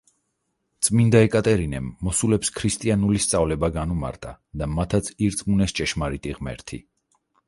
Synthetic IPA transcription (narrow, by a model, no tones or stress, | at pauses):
t̪sʼmind̪aɛkʼat̪ʼɛɾinɛmːɔsulɛpskʰɾist̪ʼianulist̪sʼavlɛbaɡanuma̰ɾt̪ʼa | d̪amat̪ʰat̪sʰiɾsʼmunɛst͡ʃʼɛʃmaɾit̪ʼiʁmɛ̰ɾt̪ʰḭ